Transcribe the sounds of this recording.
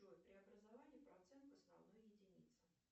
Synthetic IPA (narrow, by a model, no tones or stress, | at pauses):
ojt̪̚pɾʲɪɐbɾəzɐvanʲɪːpɾɐt̪sɛnkʊɐsnɐ̰vnojjɪdʲɪnʲḭt̪sə